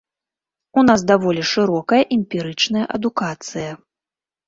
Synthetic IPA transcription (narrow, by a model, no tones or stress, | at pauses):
unas̬d̪avɔlʲiʂɨɾɔkɐjɐʔimʲpʲiɾɨt͡ʂnɐjɐʔɐd̪ukat̪sɨjɐ